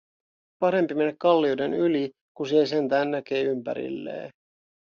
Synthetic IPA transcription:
pɑɾe̞mpime̞nekkɑlːiojde̞nyli | kunsiese̞nt̪æːnːæk̟e̞ːympæ̰ɾḭlːe̞̰ː

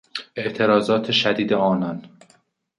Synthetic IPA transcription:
e̞ʔt̪ʰe̞ɾɒːzɒːt̪ʰeʃæd̪iːd̪eɒːnɒn

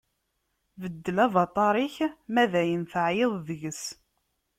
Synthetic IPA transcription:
vəd̪ːəlævɑt̪ˤɑɾˤiçmæðæjənθəʕjeðˤðəʝəs

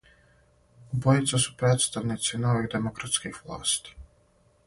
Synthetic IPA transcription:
ubojit̪sasu̥pɾeːt̪st̪aʋnit̪sino̞ʋiɣd̪emokɾat̪skixʋlˠa̰ːst̪i̥

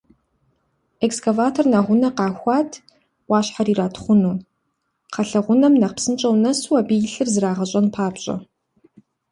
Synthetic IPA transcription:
ekskʰavaːtʰornaʁʷʊnɐqɑːxʷɑːtʰ | wɑːɕħariːraːtʰχʷʊnuː | qʰɐɬɐʁʷʊnɐmnɐqpsɨnt͡ʃʼɐwnɐsuwɐbiːjɪɬɨrzɨraːʁɐɕʼɐnpʰaːpɕʼɐ̰

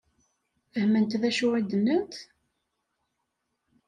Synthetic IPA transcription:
fəhmənt̪ðæʃʊʕid̪ənːənt̪

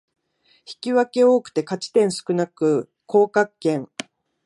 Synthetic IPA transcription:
çi̥kʲiβake̞o̞ːkɯ̟̥t̪e̞kat͡ɕi̥t̪ẽɰ̃sɨ̥kɯ̟nakɯ̟ | kʰo̞ːkakːẽ̞ŋ

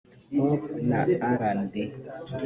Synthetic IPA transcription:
mɔsna̰aɾandi

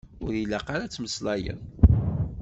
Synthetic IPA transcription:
ʊɾilːaqaɾæt͡sːməslɑjə̰n

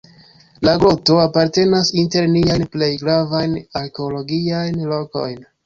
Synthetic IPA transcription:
laɡɾo̞to̞apaɾte̞nasinte̞ɾniajnple̞jɡɾavajnaɾke̞olo̞ɡiajnlo̞ko̞̰jn

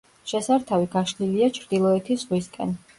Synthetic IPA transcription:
ʃɛsaɾt̪ʰaviɡaʃliliat͡ʃʰɾd̪ilˠɔɛt̪ʰizʁwiskʼɛ̰n

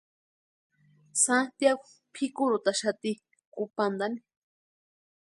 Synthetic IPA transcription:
sant̪jaɡo | pʰikuɾut̪aʃat̪i | kupand̪ani

